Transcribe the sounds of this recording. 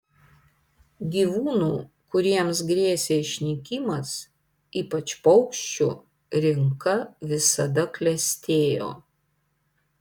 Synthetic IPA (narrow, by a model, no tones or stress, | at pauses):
ɡʲiːʋuːnuː | kʊɾʲiɛms̬ɡɾʲiɛsʲeːɪʃʲnʲikʲiːmɐs | iːpɐt͡ʃpɔʊkʃʲt͡ʃʲṵ | ɾʲɪŋkɐʋʲɪsɐd̪ɐklʲɛsʲt̪ʲeːjo̰ː